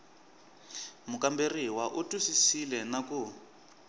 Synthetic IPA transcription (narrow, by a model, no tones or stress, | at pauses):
mukʼamberiwaʔutʼusisilɛnaku